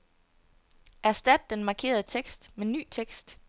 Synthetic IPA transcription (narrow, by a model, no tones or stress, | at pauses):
ʔæɐsd̥æd̥ːenmɑ̈kʰe̝̰ːɐð̞̩ˠət͡sʰeɡ̥sd̥meny̰ːt͡sʰeɡ̥sd̥